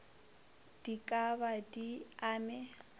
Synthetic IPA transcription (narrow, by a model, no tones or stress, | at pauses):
d̥ikʼabadiaːmɛ